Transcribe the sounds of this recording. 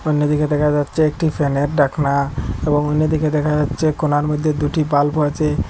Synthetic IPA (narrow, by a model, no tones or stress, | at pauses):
onːod̪iked̪ɛkʰad͡ʑatːɕʰeek̚ʈifeneɾɖakʰnaeboŋonːod̪iked̪ɛkʰad͡ʑatːɕʰekonaɾmod̪ʱːed̪uʈibalpoet͡ɕʰe